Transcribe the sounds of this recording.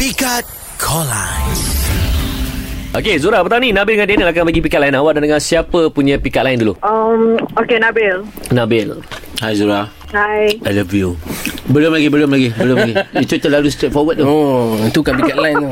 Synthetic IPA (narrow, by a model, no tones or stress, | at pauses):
pikat̚ | kʰɔla | ʔokezuɾahbət̪aninãbɪldəŋãndenəakabaɡipikaʔlainawaʔdandəŋansiapəpuɲə̃pikaʔ̚laɪnduluəmokenabɪlnãbɪlhajzuɾah | hajələviubəlʊmlaɡibəlʊmlaɡibəlumlaɡiit̪ut̪əlalust̪ɾet̪̚fɔwət̚ːooənt̪ukanpikat̚laɪn